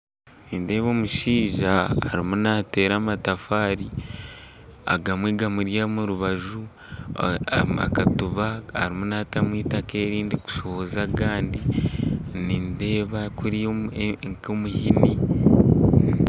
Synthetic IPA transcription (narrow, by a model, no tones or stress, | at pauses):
niːnde̞ːβo̞ːmuʃiːʒaːɾimunate̞ːɾaːmatafaːɾi | a̰ɡamwiːɡamuɾjamuɾuβaʒu | a̰katuβaaɾimunatamwiːtake̞ːɾiːndiku̥ʃo̞hozaɡaːndi | ninde̞ːβakuɾiŋkomuhini